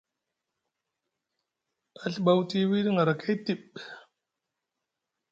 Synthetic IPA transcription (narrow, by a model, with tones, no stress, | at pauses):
a˨ɬɓa˨wti˦wi˦ɾŋa˨ɾa˨ka˦i˦ti˦˨ɓ